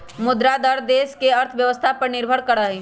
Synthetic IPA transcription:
mʊd̪ɾad̪əɾd̪eːskeəɾt̪ʰʋjəʋəst̪ʰapəɾnɪɾbʱəɽkəɽəɦi

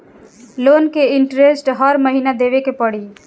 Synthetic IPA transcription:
loːnkeɪɳʈɾesʈɦɔɾməɦinad̪eːʋekepɐɽi

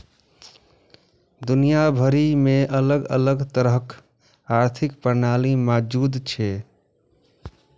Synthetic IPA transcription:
d̪unijabʱəɾimeʔələɡə̰ləɡt̪əɾəɦk | aɾt̪ʰikpəɾnalimad͡ʒud̪t͡ʃʰɛ

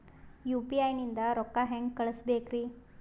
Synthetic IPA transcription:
juːpiajnind̪aɾɔkːaɦɛ̃ŋɡkəɭəsbekɾi

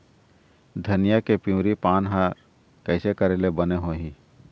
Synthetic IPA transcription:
d̪ʱənɪjakepĩɾipaːnɦaɾ | kəɪsekəɾelebəneɦoːɦĩ

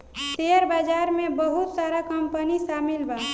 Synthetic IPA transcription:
t̪eɾbad͡ʒaːɾmebəɦut̪saɾakəmpəniʃamilba

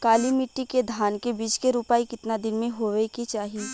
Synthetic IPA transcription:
kaːlimɪʈːiked̪ʱaːnkebiːt͡ʃkeɾupaːikɪt̪nad̪ɪnmẽɦoʋekit͡ʃaːɦi

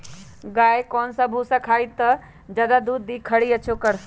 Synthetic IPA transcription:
ɡaːjkɔːnsəbʱusəkʰaːjt̪ːə | d͡ʒəd̪ad̪uːd̪ːikʰːəɽiət͡ʃʰokəɾ

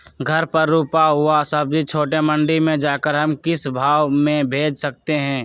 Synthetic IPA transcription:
ɡʱɐɾpəɾːuːpaɦʊasɐb̚d͡ʒit͡ʃʰoːʈemə̃ɳɖimẽd͡ʒaːkəɾɦɐmkɪsbʱaːwmẽbʱeːd͡ʒsɐk̚t̪eɦɛ̃ː

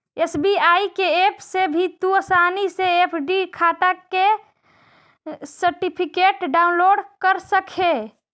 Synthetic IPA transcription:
esbiaikeepʰsebʱit̪uəsaniseepʰɖikʰat̪akkːe | səɾʈipʰikeːʈɖaʊnloːɖkəɾsəkʰe

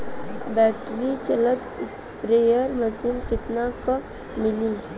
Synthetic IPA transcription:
bɛːʈɾit͡ʃələt̪ɪs | pɾeːjəɾməsiːnkɪt̪nako | mɪliː

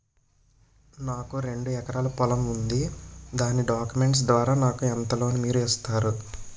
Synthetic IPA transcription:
naːkuɾe̞ɳɖuɛkɐɾaːlɐpɔlɐmund̪id̪aːniɖaːkjume̞ɳʈs̬d̪ʋaːɾaːnaːkuɛnt̪ɐlo̞ːnimiːɾuɛːst̪aːɾu

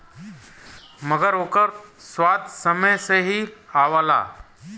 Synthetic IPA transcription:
məɡəɾoːkəɾswaːd̪səməjseɦiaːʋala̰ː

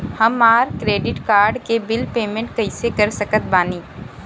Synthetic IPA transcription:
hɐmaːɾkɾeːɖɪʈkaːɾɖkebɪlpeːmẽɳʈ̚kɐɪsekɐɾsɐkət̪̚baːniː

